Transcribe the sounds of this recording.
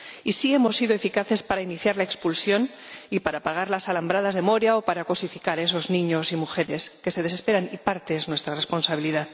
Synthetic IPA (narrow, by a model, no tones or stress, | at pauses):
isie̞mo̞sːiðoe̞fikaθe̞spaɾainiθjaɾlae̞kspulsjo̞n | ipaɾapaɣ̞aɾlasalambɾað̞azðe̞mo̞ɾjaopaɾakosifikaɾe̞s̬o̞znĩɲo̞simuxe̞ɾe̞ske̞se̞ð̞e̞se̞spe̞ɾanipaɾt̪e̞znwe̞st̪ɾarespo̞nsaβ̞iliðað